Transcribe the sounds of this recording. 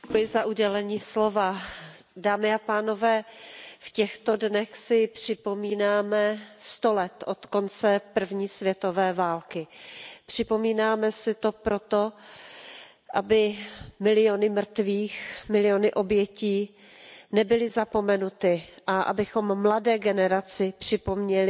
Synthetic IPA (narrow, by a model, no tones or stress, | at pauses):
kjɪzaʔuɟɛlɛɲiːslo̞va | daːmɪapaːno̞vɛːfcɛxt̪o̞dnɛxsɪpr̝̥ɪpo̞miːnaːmɛst̪o̞lɛt̪ʔo̞t̪ko̞nt͡sɛpr̩vɲiːsvjɛt̪o̞vɛːvaːlkɪpr̝̥ɪpo̞miːnaːmɛsɪt̪o̞pɾo̞t̪o̞ | ʔabɪmɪlɪjo̞nɪmrt̪viːxmɪlɪjonɪʔo̞bjɛciː | nɛbɪlɪzapo̞mɛnut̪ɪʔaʔa̰bɪxo̞mːladɛːɡɛnɛɾat͡sɪpr̥ɪpo̞mɲɛlɪ